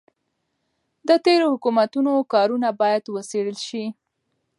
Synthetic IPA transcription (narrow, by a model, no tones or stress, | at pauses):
d̪ət̪eɾohʊkumat̪unokɑɾunabɑjad̪wəseɽəlʃi